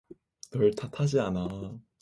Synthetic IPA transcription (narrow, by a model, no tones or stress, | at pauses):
nʌɭtʰatʰad͡ʑiana